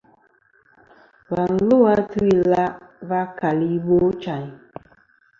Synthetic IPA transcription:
ba˨n̩˨lo˦a˦tu˦i˨la˦va˦ka˨li˦bo˦t͡ʃa˨ɲ˨

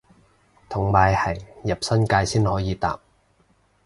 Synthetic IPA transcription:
t̪ʰʊ˨˩ŋmaː˨˧jhɐ˨˩jjɐ˨˩p̚sɐ˥nkaː˧jsiː˥nhɔː˨˥jiː˨˧t̪a̰ː˨p̚

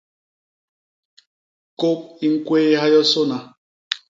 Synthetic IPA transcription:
ko˦p̚i˦ŋ̩˦kwe˦ha˦jɔ˦so˦na˨

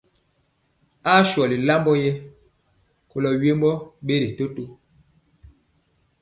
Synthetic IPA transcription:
a˦ʃɔ˨li˨la˦mbɔ˦jɛ˦ | ko˨lɔ˨ɥe˦mbɔ˦ɓe˦ɾi˨to˦to˦

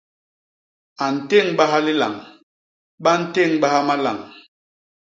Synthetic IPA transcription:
a˨n̩˨te˦˨ŋɓa˦ɦa˦li˦la̰˨ŋ | ɓa˦n̩˦te˦˨ŋɓa˦ha˦ma˦la̰˨ŋ

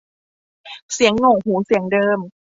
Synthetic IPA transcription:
si˨˩˦əŋːo˨˩ŋhuː˩˦si˨˩˦əŋdɤː˧m

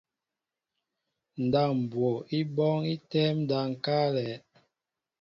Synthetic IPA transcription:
n̩˨da˦˨m̩˨bwɔ˨i˦bɔ˦ŋi˦tɛ˦mn˦da˨ŋ̩˨ka˦lɛ˨˦

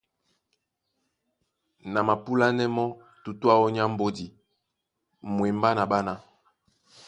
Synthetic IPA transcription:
na˨ma˨pu˦la˦nɛ˦mɔ˦ | tu˨tu˦a˦ɔ˦ɲ˦a˦m̩˦bo˦di˨ | mwe˨mba˦na˨ba˦na˦

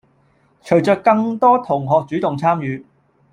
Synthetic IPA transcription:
t͡ʃʰɵ˨˩ɥt͡sœː˨˧k̚kːɐ˧ŋt̪ɔː˥t̪ʰʊ˨˩ŋɦɔː˨k̚t͡syː˨˥t̪ʊ˨ŋt͡sʰaː˥mjyː˨˧

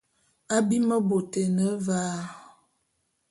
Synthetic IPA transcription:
a˦bi˦mə˦bo˨te˨nə˦vaː˦

